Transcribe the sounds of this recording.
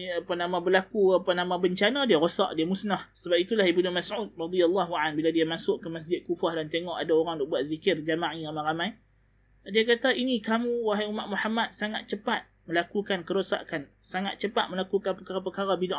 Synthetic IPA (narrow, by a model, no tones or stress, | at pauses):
apanãmãbərlakuapanãmãbəɲt͡ʃanãdiaɾosa̰ʔdiamusnahsəbap̚it̪ulahibnumasʕud̪̚rɑd̪ijalːaɦuʕanbiladiamasʊʔkəmas̬d͡ʒɪt̪̚kufahdant̪eŋɔʔadaoɾaŋdɔʔbuat̪̚zikɪrd͡ʒamaʕiamãɾamãj | diakat̪aʔinĩkamũwaɦajumaʔ̚muħamat̪̚saŋat̪̚t͡ʃəpat̪̚ | məlakukankəɾosa̰ʔkansaŋa̰t̪̚t͡ʃəpat̪̚mə̃lakukanpəkaɾapəkaɾabidaʔ